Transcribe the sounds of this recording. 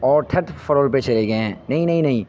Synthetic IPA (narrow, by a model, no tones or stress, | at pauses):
ɔːɾʈʰɐʈfɐɾoːlpet͡ʃɐleɡɐẽɦɛ̰̃ːnɐɦĩnɐɦĩnɐɦĩ